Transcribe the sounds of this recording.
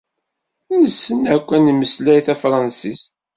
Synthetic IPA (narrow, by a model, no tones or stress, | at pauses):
nəsːənækʷːæniməslæjθæfɾˤɑnsist̪